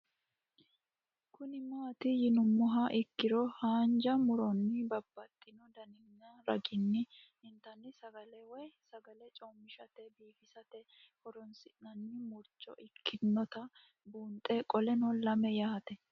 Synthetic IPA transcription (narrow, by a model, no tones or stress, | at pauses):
kʊnɪmaːt̪ɪjɪnʊmːʊɦɐʔɪkːɪɾɔhaːnd͡ʒɐmʊɾɔnːɪbɐbːɐt̪ʼːɪnɔd̪ɐnɪɲːaɾɐ̰ɡɪnːɪ | ɪnt̪ɐnːɪsɐɡɐlɛwɔjsɐɡɐlɛt͡ʃʼoːmːɪʃɐt̪ɛbiːfɪsɐt̪ɛ | hɔɾɔnsɪnɐnːɪmʊɾt͡ʃːɔ̰ʔɪkʰːɪnːɔt̪ɐ | buːnt̪ʼɛkʼɔlɛnɔlɐmɛjahɐt̪ɛ